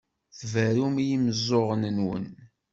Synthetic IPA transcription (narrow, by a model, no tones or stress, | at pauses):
θvəɾumijiməzˤːoʁənənwə̰n